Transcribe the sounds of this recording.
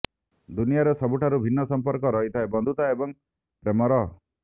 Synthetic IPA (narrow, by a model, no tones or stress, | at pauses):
d̪unijaɾesɔbuʈʰaɾubʱinːɔsɔmpɔɾkɔɾɔɦit̪ʰaebɔnd̪ʱut̪aebɔŋ | pɾemɔɾɔ